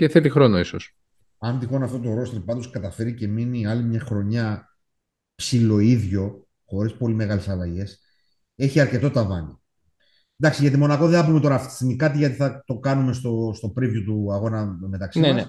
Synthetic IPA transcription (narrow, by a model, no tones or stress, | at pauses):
ceθet̪ixɾo̞noisos | ɐnd̪ixo̞nɐft̪o̞t̪o̞ɾost̪ɾpɐd̪oskɐt̪ɐfe̞ɾice̞miniɐlimɲɐxɾo̞ɲɐ | psilo̞iðʝo̞ | xo̞ɾispo̞lime̞ɣɐlesɐlɐʝe̞s | e̞çiɐɾce̞t̪o̞t̪ɐvɐ̰ni | nd̪ɐksiʝɐt̪imo̞nɐko̞ðeɐpumet̪o̞ɾɐft̪i̥sinikɐt̪iʝɐt̪iθɐt̪o̞kɐnume̞st̪o̞st̪o̞pɾivjot̪uɐɣo̞nɐme̞t̪ɐksimɐs